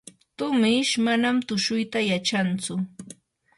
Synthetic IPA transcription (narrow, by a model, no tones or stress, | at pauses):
t̪ʊmɪʃmanamt̪ʊʃʊjt̪ajat͡ʃant͡sʊ